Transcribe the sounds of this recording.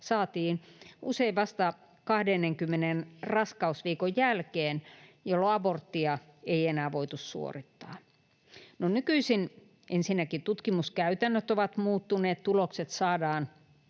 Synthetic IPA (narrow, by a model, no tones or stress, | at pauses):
sɑːt̪iːnuseiʋʋɑst̪ɑ | kɑhdenːeŋkymːenenrɑskɑusʋiːkojjælkeːnjolːoɑbort̪ːiɑ | eienæːʋoit̪ussṵo̰rit̪ːɑ̰ː | nonykyisin | ʔensinːækit̪ut̪kimuskæyt̪ænːøt̪oʋɑt̪muːt̪ːuneːt̪t̪ulokset̪sɑːdɑːn